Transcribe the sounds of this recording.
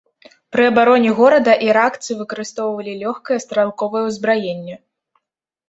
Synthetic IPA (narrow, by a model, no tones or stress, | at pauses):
pɾɨɐbaɾɔnʲiɣɔɾɐd̪ɐʔiɾakt̪sɨvɨkɐɾɨst̪ɔwvɐlʲilʲɔxkɐjɛst̪ɾalˠkɔvɐjɛwzbɾajenʲːɛ